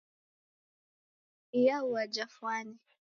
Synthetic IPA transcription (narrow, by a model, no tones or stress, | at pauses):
ijauad͡ʒafwani